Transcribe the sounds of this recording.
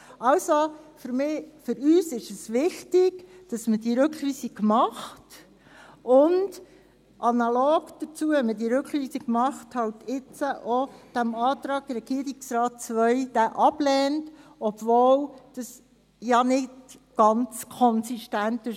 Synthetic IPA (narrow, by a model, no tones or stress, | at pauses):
ɑwsofʏɾmɪːfʏɾyːsɪʃɛsʋɪxtɪɡd̥ɑsməd̥iəɾɵkyːsikmɑχt | ʊnd | ʔɑnɑlɔːɡd̥ət͡suəɛmədiɾʉkχyːsikmɑχthɑltɪt͡səʔɔd̥æmɑːt̪ɾɑːɡ̥ɾɛɡ̥iəɾɪksɾɑːt̚t͡sʋœɪd̥æʔɑb̥lɛːntɔb̥voːwd̥ɑs | jɑnɪt | ɡ̥ɑnt͡skʰɔnsiʃtæntɪ